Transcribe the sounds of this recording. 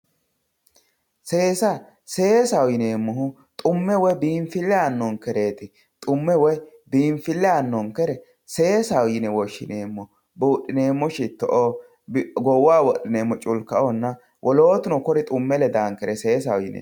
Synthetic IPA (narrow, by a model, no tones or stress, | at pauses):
se̞ːsɐ | se̞ːsɐwjɪneːmːɔɦʊ | t̪ʼʊmːɛwɔbiːɱfɪlːɛaːnːɔŋkɛɾe̞ːt̪ɪ | t̪ʼʊmːɛwɔj | biːɱfɪlːɛaːnːɔŋkɛɾɛ | se̞ːsɐwjɪnɛwɔʃːɪneːmːɔ | buːɗːɪneːmːɔʃɪt̪ːɔʔo | bɡɔwaːwɔɗɪneːmːɔt͡ʃʼʊlkɐʔɔnːɐ | wʔɔloːt̪ʊnɔkɔɾɪt̪ʼʊmːɛlɛd̪aːŋkɛɾɛse̞ːs̬ɐwjɪnḛː